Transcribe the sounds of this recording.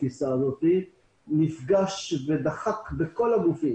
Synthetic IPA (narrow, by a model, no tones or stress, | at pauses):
isaːzo̞t̪i | nifɡaʃved̪aχakbeko̞laɡufi